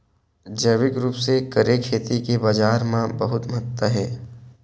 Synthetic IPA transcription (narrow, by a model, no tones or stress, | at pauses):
d͡ʒəʋɪkɾuːpsekəɾekʰeːt̪ikebaːd͡ʒaːɾmãbɐɦʊt̪mt̪ːaɦɛː